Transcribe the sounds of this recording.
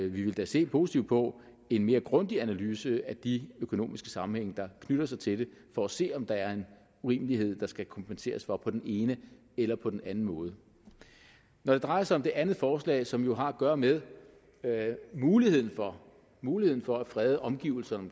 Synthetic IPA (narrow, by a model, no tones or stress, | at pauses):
ʋiʋe̝ld̥æse̝̰ːpʰo̝ːsi̥t͡sʰiʊd̥pʰɒ̽ | e̝nme̝ːɐɡ̥ʁɔnd̥iænælyːsəæd̥iøkʰo̝no̝̰ːmisɡ̥ə̥sɑ̈mm̩heŋ̰əd̥ɑ̈kʰnyɾ̥ɐsɑ̈ɪt͡sʰe̝d̥e̝fɒæse̝̰ːɒ̽md̥ɑ̈æɐe̝n | uʁḭːməliɦe̝ð̞̰ˠd̥ɑ̈sɡ̥ækʰɒ̽mpʰense̝̰ːɐsfɒ̽pʰɒ̽d̥ene̝ːnə | elɐpʰɒ̽d̥enænn̩mɔ̽ːð̞̩ˠə | nɒd̥e̝d̥ʁɑ̈ɪɐsɑ̈ɪɒ̽md̥e̝ʔænð̩ˠfɒːslɛ̰ːsɒ̽mjo̝ɦɑ̈æɡ̥ɶːɐmeð̞ˠ | muːlihe̝ð̰ˠn̩fɒ | muːlihe̝ð̰ˠn̩fɒ̽æfʁɛːð̞ˠəʔɒ̽mɡ̥ḭːʊl̩sɐnɒm